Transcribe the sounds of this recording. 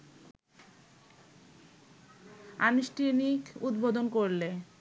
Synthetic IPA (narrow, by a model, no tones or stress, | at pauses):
a̰nuʃʈʰinikud̪bod̪onkoɾle